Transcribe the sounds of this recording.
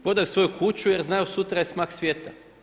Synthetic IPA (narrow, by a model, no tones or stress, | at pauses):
pɾo̞d̪ajsʋo̞jukʰut͡ɕuje̞ɾznajusut̪ɾajesmaːxsʋʲje̞ːt̪a